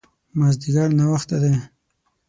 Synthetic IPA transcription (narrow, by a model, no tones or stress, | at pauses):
mazd̪iɡaɽnawaxt̪ad̪e